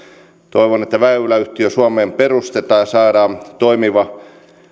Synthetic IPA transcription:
t̪oiʋonet̪ːæʋæːyːlæyht̪iøsuɑmeːmperust̪et̪ɑːjɑsɑːɾɑːt̪oimiʋɑ

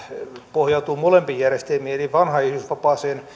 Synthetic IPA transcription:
pohjɑut̪uːmolempijærest̪elmiːeliʋɑnhɑihlysʋɑpɑːseːn

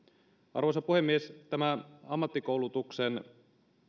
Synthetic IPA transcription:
ʔɑ̰rʋosɑpuhe̞mːiest̪æmæɑmːɑt̪ːiko̞wlut̪uksen

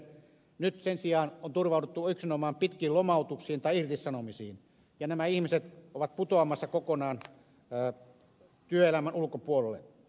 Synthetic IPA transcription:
nyt̪sensiɑːnont̪urʋɑˑut̪et̪ːuyksinomɑːmpit̪kiːlomɑˑut̪uksiːnt̪ɑiirt̪issɑnomisḭːn | jɑnæmæihmiset̪oʋɑt̪̚put̪oɑmɑsːɑkokonɑːnː | t̪yøelæmænulkopuolelːḛ

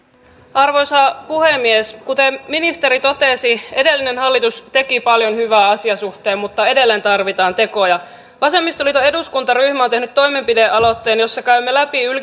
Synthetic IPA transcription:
ɑrʋo̞jsɑpuhe̞mːieskut̪emminist̪e̞ɾit̪o̞t̪esie̞de̞lːinenhɑlːit̪ust̪e̞kipɑljo̞nhyʋæːɑsiɑsuht̪e̞ːmmut̪ːɑe̞de̞lːent̪ɑrʋit̪ɑːnt̪e̞ko̞jɑ | ʋɑse̞mːist̪olit̪oe̞duskunt̪ɑryhmæont̪ehnyt̪to̞jme̞mpide̞ʔɑlo̞t̪ːeːnjo̞sːɑkæymːelæpiyl

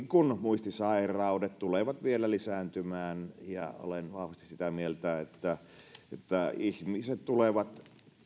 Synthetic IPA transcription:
kunmuist̪isɑerɑudet̪t̪uleʋɑt̪ʋielælisæːnt̪ymæːnjɑ̰o̰lenʋɑhʋɑst̪isit̪æmielt̪æet̪ːæ | ḛt̪ːæihmiset̪t̪uleʋɑt̪

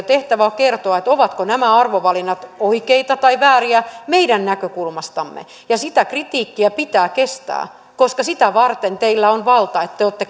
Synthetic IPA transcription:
t̪eht̪æʋæokert̪oɑet̪oʋɑt̪konæmæɑrʋoʋɑlinːɑt̪oikeit̪ɑt̪ɑiʋæːriæmeiɾænnækøkulmɑst̪ɑmːḛ | jɑsit̪ækrit̪iːkːiæpit̪æːkest̪æ̰ː | koskɑsit̪æʋɑrt̪ent̪eilːæonʋɑlt̪ɑet̪ːeoːt̪ːe

